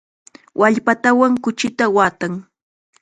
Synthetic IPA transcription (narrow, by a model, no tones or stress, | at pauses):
wʔaʎpat̪awaŋkʊt͡ʃɪt̪awaːt̪aŋ